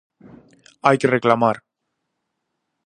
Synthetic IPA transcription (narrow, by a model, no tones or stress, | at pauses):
ajkereklamaɾ